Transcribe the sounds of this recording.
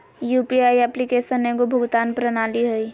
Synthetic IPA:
jupiaːiɛplikeːsənẽkobʱʊɡt̪aːnpɾənaːliɦəi

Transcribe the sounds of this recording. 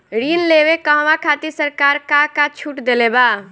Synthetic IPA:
ɾinleʋekəɦʋakʰat̪iɾsəɾkaɾkakat͡ʃʰuʈd̪eleba

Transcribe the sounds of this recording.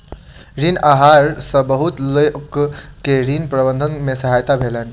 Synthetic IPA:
ɾinaɦaɾsə̃bəɦut̪ləjkkeɾinpɾəbənd̪ʱənmesəɦajt̪abʱelən

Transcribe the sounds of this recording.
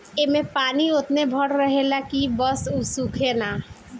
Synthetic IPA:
emẽpaniot̪nebʱɔʈɾəɦelakibɔsusukʰena

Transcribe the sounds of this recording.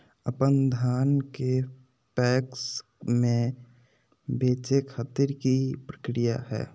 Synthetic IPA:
əpənd̪ʱaːnke | pɛːks | mẽ | beːt͡ʃekʰaːt̪iɾkipɾəkɾijaɦɛ̰ː

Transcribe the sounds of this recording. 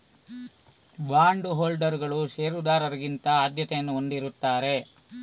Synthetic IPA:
baːɳɖuɦoːlɖɐɾɡɐɭuʃeːɾud̪aːɾɐɾɐɡint̪ɐaːd̪jɐt̪ɛjɐnːuond̪iɾut̪ːaːɾe̞

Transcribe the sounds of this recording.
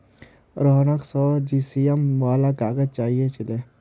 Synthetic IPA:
ɾɔːnəksɔːd͡ʒiːsiːemʋaːlakaːɡət͡ʃaːɦiet͡ʃɪleː

